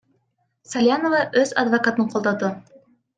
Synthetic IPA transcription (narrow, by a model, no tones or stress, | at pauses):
sɐlʲjanovɑʔɵzɐ̰d̪vɐkat̪ɤɴqolˠd̪ɑd̪ɤ